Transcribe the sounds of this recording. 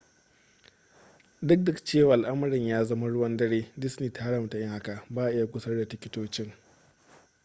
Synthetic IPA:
dʊ˦k̚dʊ˦kt͡ʃeː˦˨waː˨ʔa˨lʔɐ˦mɐ˨ɾɪ˨ɲjaː˦zɐ˦ma˦ɽʊ˦wɐ˦ndɐ˦ɽeː˦dɪ˦sniː˨tʰaː˦ɽɐ˨mta˨jɪ˦ŋha˦ka˨baː˦ʔʔɪ˦ja˨kʷʊ˦sɐ˦rda˨tɪ˨kʲɪ˦toː˦t͡ʃɪ˦ŋ

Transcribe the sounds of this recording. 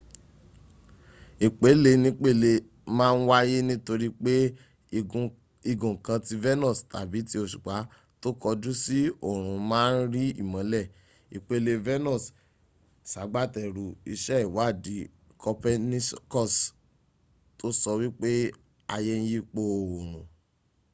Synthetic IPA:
i˨k͡pe˨˦le˧nĩ˧k͡pe˦˨le˧ | mãː˦˧n̩˦wa˦je˦nĩ˦to˧ɾi˦k͡pe˦˧ | i˧ɡũ˨kã˧ti˧vɛ˦nɔ˦˨sta̰˨bi˨˦ti˧o˧ʃu̥˨k͡pa˨˦ | to˦kɔ˧du˦si˦o˦˨ɾ̃ũ˨˧mãː˦˧n̩˦ɾi˦ḭ˦˨mã˨˦lɛ˦˨ | i˨k͡pe˦le˧vɛ˦nɔ̃˦˨s | sa˨˦ɡ͡ba˦tɛ˨ɾu˨i˧ʃɛ˦i˨wa˨˦˨di˨˦ | kʰɔ˧pɛ˦ni˦skɔ˦˨s | to˦sɔ˧wi˦k͡pe˦ | a˧je˧n̩˦ji˦k͡po˧˨o˨ɾ̃ũ˨

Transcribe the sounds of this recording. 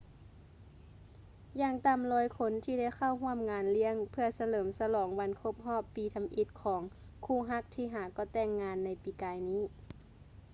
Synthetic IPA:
jaː˧˩ŋt̪aː˧˦mlɔː˧˥jkʰo˧˥nt̪ʰiː˧˩da˧˩jka˧˩wɦu˧˥˩əmŋaː˨˧˦nli˧˥əŋpʰɯ˧ɐsa˧lɤː˩˦msa˧lɔː˩˦ŋba˧nkʰo˧˥p̚ɦɔː˥˩pːiː˨˧t̪ʰa˧mʔi˧t̪̚kʰɔː˩˦ŋ | kʰuː˧˩ɦa˧˥k̚t̪ʰiː˧ɦaː˨˩kɔː˧˩t̪ɛː˧˩ŋːaː˧nːa˧˩jpiː˨˦kaː˨˧jniː˧˥˩

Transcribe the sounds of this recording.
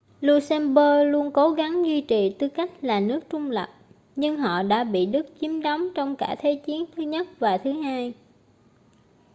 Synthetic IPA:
lu˧sɛ˧nɓəː˧lu˧ənko˨˦ɣa˨˦ŋzwi˧t͡ɕi˨˩t̪ɨ˨˦ka˦˥jk̟̚laː˨˩nɨ˦˥ək̚t͡ɕʊ˧ŋ͡mlə˨˩k͡p̚ | ɲɨ˧ŋɦɔ̰˧˨ɗa̰ː˧˥ɓḭ˧˨ɗɨ˦˥k̚t͡ɕi˨˦əmɗɔ˨˦wŋ͡mt͡ɕɔ˧wŋ͡mkaː˧˩t̪ʰe˨˦t͡ɕi˨˦ənt̪ʰɨ˨˦ɲə˦˥t̚vaː˨˩t̪ʰɨ˨˦ɦaː˧j

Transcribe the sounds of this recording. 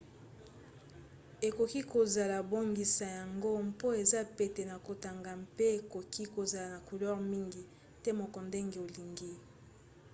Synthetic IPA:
e˨ko˨ki˦ko˨za˨la˨bo˦ŋɡi˨sa˨ja˨ŋɡo˦mpo˦e˨za˦pe˨te˨na˨ko˨ta˨ŋɡa˨mpe˦e˨ko˨kʰi˦ko˨za˨la˨na˨ko˨lɔ˦ʁmi˦ŋɡi˨ | tɛ˦mo˨kɔ˨nde˦ŋɡe˨o˨li˨ŋɡi˦

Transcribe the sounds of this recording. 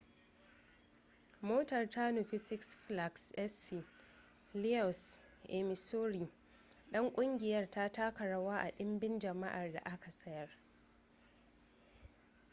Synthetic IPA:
moː˦tɐ˨rta˦no˨ɸɪ˦sɪ˦ksɸla˨ksʔɛ˦si˨ | li˦ɔ˨s | ʔɛ˨mɪ˨soː˦ɾiː˨ | ɗɐ˦ŋkʷʼʊ˦ŋɡʲɪ˨jɐ˦rta˦taː˦kɐ˨ɽɐ˦waː˦ʔa̰˨ɗɪ˦mbɪ˦nd͡ʒɐ˨ma̰˦ʔa˨rda̰˨ʔa˦ka˨sɐ˦jɐ˨r

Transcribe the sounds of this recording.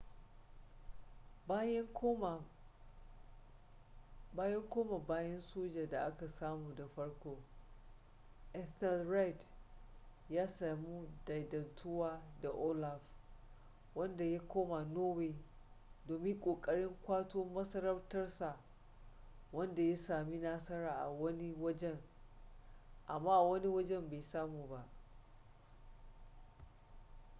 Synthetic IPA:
baː˦jɐ˦ŋkʷoː˦ma˨baː˦jɐ˦nsoː˦d͡ʒa˨da˨ʔa˦ka˨saː˦muː˨da˨ɸɐ˦ɽkʷoː˦ | ʔɛ˦θɛ˦lɾa˦jt | jaː˦saː˨mu˦da˨jdɐ˨ntʰʊ˦waː˦da˨ʔoː˦la˨f | wɐ˦nda˨ja˦kʷoː˦ma˨noː˦weː˨ | doː˨mɪ˦ŋkʷʼoː˨kʼɐ˦ɽɪ˦ŋkʷaː˦toː˦mɐ˦sɐ˦ɾɐ˦rtɐ˦rsa˨ | wɐ˦nda˨ja˦saː˨mi˦naː˦sɐ˦ɾaː˨ʔa̰˨wɐ˦ni˦wɐ˦d͡ʒɛ˦ŋ | ʔa˨mːaː˦ʔwɐ˦ni˦wɐ˦d͡ʒɛ˦mbeː˨jsaː˦muː˨ba˦ʔ

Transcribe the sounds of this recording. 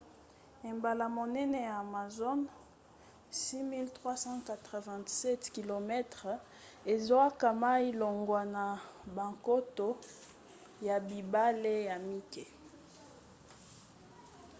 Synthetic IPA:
e˨mba˨la˨mo˨nɛ˦nɛ˨jaː˨ma˨zo˦n | si˦mi˦ltʁwa˦sɑ̃˦ka˨tʁə˨vɛ̃˨ntsɛ˦tki˨lo˨mɛ˦tʁ | e˨zo˦a˦ka˨ma˦i˦lo˨ŋɡwa˨na˨ba˨ŋko˦to˦ | ja˨bi˨ba˦le˦ja˨mi˦kɛ˨

